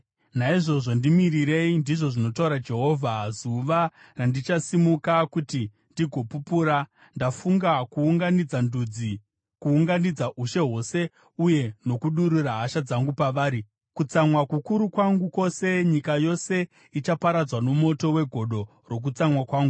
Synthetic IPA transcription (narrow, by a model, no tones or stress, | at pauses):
naiʐo̞ʐo̞ndimiriɾe̞indiʐo̞ʐino̞tauɾad͡ʒe̞ɦo̞vʱazuʋa | randit͡ʃasimukakuti | ndiɡʱo̞pupuːɾa | ndafuŋɡakuːŋɡanid͡zandud͡zi | kuːŋɡanid͡zaʔuʃe̞ɦo̞se̞ | uje̞no̞kuɗuɾuraɦaʃad͡zaŋɡupaʋaːɾi | kut͡samwakukuɾukwaŋɡuko̞se̞ɲikajo̞se̞ | it͡ʃapaɾad͡zwano̞mo̞to̞we̞ɡʱo̞ɗo̞ | ro̞k̬ut͡samwakwaːŋɡu